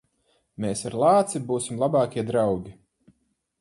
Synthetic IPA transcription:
meːsaɾlˠaːt̪sibuːsimlˠabɑːkʲiɛd̪ɾawɡʲi

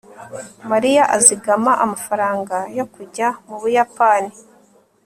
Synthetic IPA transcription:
maɾijaʔaziɡamaʔamafaɾaːŋɡajo̞kuɟamuβujapani

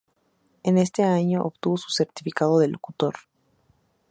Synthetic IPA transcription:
e̞ne̞st̪e̞aɲo̞ʔoβt̪uβosu̥se̞ɾt̪i̥fikaðoðeloku̥t̪o̞ɾ

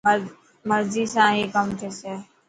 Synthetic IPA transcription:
mɐɾzisãːɦikəmt̪ʰese

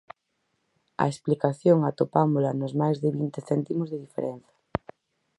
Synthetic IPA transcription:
a̰esplikaθjoŋat̪opamolanozmajzðeβint̪eθɛnt̪imozðeð̞ifḛɾɛn̟θḁ

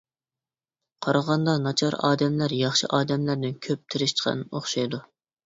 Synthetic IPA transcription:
qʰɑɾɑʁɑnd̪ɑnɑt͡ʃʰɑɾɑ̰ːd̪ɛmlæɾjɑχʃɨ̰ʔɑːd̪ɛmlæɾd̪ɪnkʲʰøp̚t̪ʰɪɾɪʃt͡ʃqɑ̰noχʃɑjd̪u

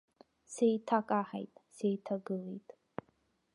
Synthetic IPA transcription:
sejtʰakʼaħa̰jtʼsejtʰaɡɨlejtʼ

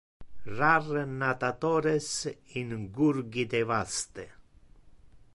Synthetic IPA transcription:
rarnat̪at̪oɾesiŋɡuɾɡid̪evast̪e

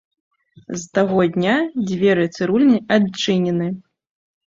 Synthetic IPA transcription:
zt̪aɣɔd̪ʲnʲad͡zʲvʲɛɾɨt̪sɨɾulʲnʲiʔat͡ʂɨnʲɛnɨ

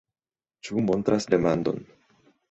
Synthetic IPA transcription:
t͡ʃumo̞nt̪ɾʔasde̞mand̪o̞̰n

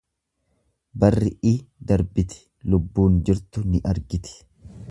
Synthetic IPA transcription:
bɐrːɪʔɪːd̪ɐɾbɪt̪ɪ̥ | lʊbːuːnd͡ʒɪɾt̪ʊnɪʔɐɾɡɪt̪ɪ̥

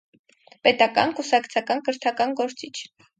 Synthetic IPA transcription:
pɛt̪ɑkɑ̰nkusɑkt͡sʰɑkɑnkəɾt̪ʰɑkɑnɡɔɾt͡sit͡ʃʰ

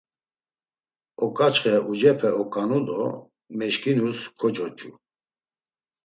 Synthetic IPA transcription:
ɔkʼat͡ʃχɛʔud͡ʒɛpʰɛɔkʼanud̪ɔ | mɛʃkinuskʰɔt͡ʃʼɔt͡ʃʼu

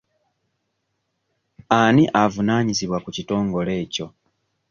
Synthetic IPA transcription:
aniʔavunaːɲiziβwakucito̞ːŋɡo̞le̞ːco̞

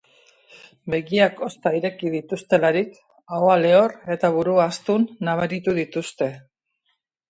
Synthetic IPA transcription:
be̞ɣiako̞st̪aiɾe̞kið̞it̪ust̪e̞laɾik | aoale̞o̞re̞t̪aβuɾuaːst̪unːaβ̞aɾit̪uðit̪ust̪e̞

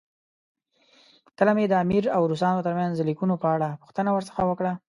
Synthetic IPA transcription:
kəlamed̪əamiɾawɾus̬ɑnot̪əɾmanzlikunopəaɽapu̥xt̪ənawəɾsə̥xawəkɽa

